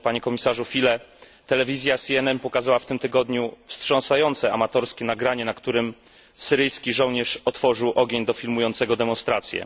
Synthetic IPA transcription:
paɲɛkɔmʲisaʐufʲilɛt̪ɛlɛvʲizʲjasʲiɛnɛnpɔkazawaft̪ɘmt̪ɘɡɔd̪ɲufstʂɔnsajɔnt̪sɛamat̪ɔɾskʲɛnaɡɾaɲɛnakt̪uɾɘm | sɘɾɘjskʲiʐɔwɲɛʂɔt̪fɔʐɘwʔɔɡʲeɲd̪ɔfʲilmujɔnt̪sɛɡɔd̪ɛmɔnst̪ɾat̪sʲjɛ̰

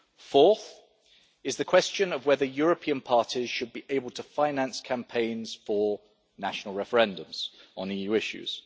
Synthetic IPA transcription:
fɔˑθ | ɪzðəkʰw̥ɛst͡ʃə̃nəvwɛðəjɔːɹəpʰĩə̃npʰɑˑtʰiz̥ʃəd̚biʔeɪbəlˠtʰəfãɪ̃nãnskʰãmpʰẽɪ̃nz̥fə | naʃənəlˠɹɛfəɹɛ̃ndə̃mz̥ə̃n̩iːjʉːɪʃʉ̰z̥

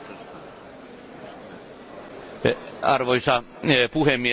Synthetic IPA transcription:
ɑrʋoisɑ | puhemːie

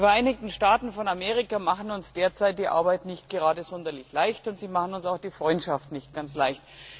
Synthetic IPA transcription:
diːfɛɐʔaɪnɪk̚tn̩ʃtaːtn̩fɔnameːʁɪkamaχn̩ʊnsd̥eːɐt͡saɪt̚d̥iːʔa̰ɐbaɪtnɪçt̚ɡ̥əʁaːdəzɔndɐlɪçlaɪçtʊntz̥iːmaχən̩ʊnsaʊxd̥iːfʁ̥ɔʏntʃaftnɪçt̚ɡ̥ant͡slaɪçt

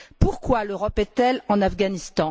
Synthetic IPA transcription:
puʁkwaløʁɔpɛt̪ɛlɑ̃nafɡanist̪ɑ̃

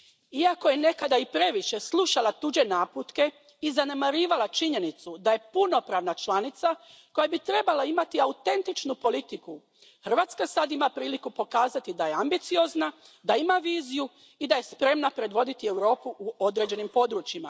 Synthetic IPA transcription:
iako̞je̞ne̞kad̪aipɾe̞ʋiʃe̞slˠuʃalˠat̪ud͡ʒe̞naːput̪ke̞ | izane̞maɾiːʋalat͡ʃiɲe̞nit̪sud̪aje̞puno̞pɾaːʋnat͡ʃlˠanit̪sako̞jabit̪ɾe̞balaimat̪iaut̪e̞nt̪it͡ʃnupo̞lit̪iku | xr̩ʋaːt̪skasad̪imapɾiːlikupo̞kaːzat̪id̪ajeambit̪sijo̞zna | d̪aimaʋiːziju | id̪aje̞spɾe̞mnapɾe̞d̪ʋo̞d̪it̪ie̞wɾo̞ːpuʔuo̞d̪ɾed͡ʑe̞nimpo̞d̪ɾut͡ʃima̰

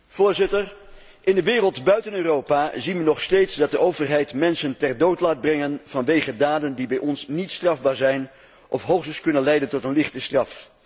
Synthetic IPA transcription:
v̥ʊːɹzɪtər | ʔɪndəʋɪːrəlˠtbœɥtənøːrowpaːzinʋənɔχstejtsdɑt̚dəʔowvərɦɛjtmɛnsəntɛrdowtlaːd̚brɛŋənv̥ɑnʋejχədaːdəndibɛjʔɔnsnitstrɑvbaːɹzɛjn | ʔɔfɦowχsəskɵnənlɛjdəntɔtənlɪχtəstrɑf

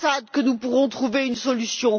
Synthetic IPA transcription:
ad̪kənupuʁɔ̃t̪χuveynsɔlysjɔ̃

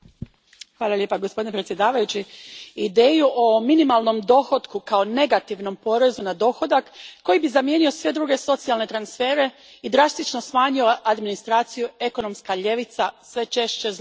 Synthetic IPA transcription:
xʋaːlˠalʲje̞paɡospo̞d̪inepɾet̪sjed̪aːʋajut͡ɕiid̪eːjuʔominimalˠno̞md̪o̞xot̪kukao̞ne̞ɡat̪iʋno̞mpo̞ɾe̞zunad̪o̞xo̞d̪akːo̞jibizamje̞ːnio̞sʋe̞d̪ɾuːɡe̞so̞t̪sialˠne̞t̪ɾansfe̞ːɾe̞ | id̪ɾast̪it͡ʃno̞smaːɲio̞ad̪minist̪ɾaːt̪sijue̞ko̞no̞mskaʎe̞ʋit̪sasʋe̞t͡ʃe̞ʃt͡ɕe̞z

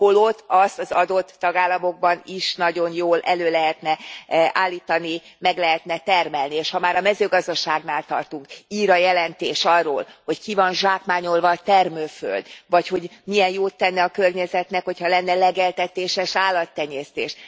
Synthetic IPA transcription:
holo̞t̪ɒst̪ɒzɒd̪o̞t̪ːɒɡaːlːɒmo̞ɡ̚bɒniʃnɒɟo̞njoːlʔɛløːlɛɦɛt̪nɛʔaːlːiːt̪ɒni | mɛɡlɛɦɛt̪nɛt̪ɛrmɛlnieːʃhɒmaːɾɒmɛzøːɡɒzd̪ɒʃaːɡnaːlt̪ɒrt̪uŋkiːɾɒjɛlɛnt̪eːʃɒrːoːlho̞ckivɒnʒaːkmaːɲo̞lvɒːt̪ɛrmøːfø̰ld̪vɒcho̞ɟmijɛnjoːt̪ːɛnːɛɒkørɲɛzɛt̪nɛkho̞chɒlɛnːɛlɛɡɛlt̪ɛt̪eːʃɛʃaːlːɒt̪ːɛɲːɛːst̪ḛːʃ

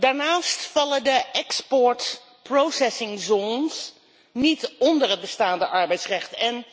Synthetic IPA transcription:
daːɹnaːstfɑlədəɛkspɔɹt | prowsɛsɪŋzoːns | nitɔndərət̚bəstaːndəʔɑɹbɛjtsrɛχtɛn

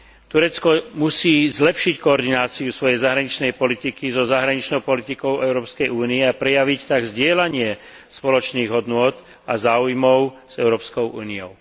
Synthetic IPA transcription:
t̪uɾɛt͡skɔmusiːzlɛpʃickɔɔɾd̪inaːt͡siusʋɔjɛjzaɦɾaɲit͡ʃnɛjpɔlit̪ikizɔzaɦɾaɲit͡ʃnɔʊpɔlit̪ikɔʊʔɛʊɾɔːpskɛjuːniɛapɾɛjaʋict̪aɡzɟɪɛlaɲɪɛ | spɔlɔt͡ʃniːɣɦɔd̪nʊɔt̪ | azaːujmɔʊz̥ɛʊɾɔːpskɔʊʔuːniɔʊ

